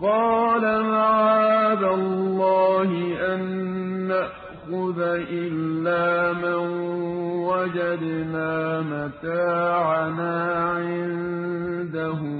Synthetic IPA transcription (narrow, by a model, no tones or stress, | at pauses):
qɑːlamaʕaːd̪alːɑːhɪʔanːaʔ | xʊðaʔɪlːaːmanwad͡ʒad̪maːmat̪aːʕanaːʕɪn | d̪aɦʊ